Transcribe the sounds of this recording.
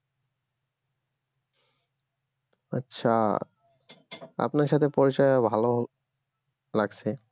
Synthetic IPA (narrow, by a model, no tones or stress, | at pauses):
ə̰tːɕʰa | a̰pnaɾʃat̪ʰepɔɾit͡ɕɔebʱaloɦ | laɡt͡ɕʰe